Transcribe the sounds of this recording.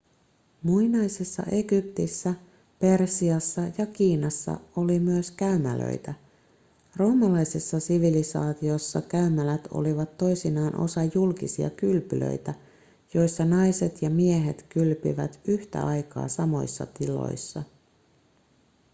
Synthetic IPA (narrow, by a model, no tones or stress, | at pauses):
muinɑjsesːɑ̰ʔe̞ɡyp̚t̪isːæ | pe̞rsiɑsːɑjɑkiːnɑsːɑ̰olimyøskæymælø̰jt̪æ | ro̞ːmːɑlɑjsesːɑsiʋilisɑːt̪io̞sːɑkæymælæt̪o̞̰liʋɑt̪ːo̞jsinɑːnʔo̞̰sɑjulkisiɑ̰kylpylø̰jt̪æ | jo̞jsːɑnɑjset̪jɑmie̞ɦe̞t̪kylpḭʋæt̪yht̪æ̰ɑjkɑ̰ːsɑmo̞̰jsːɑ̰t̪ilo̞̰jsːɑ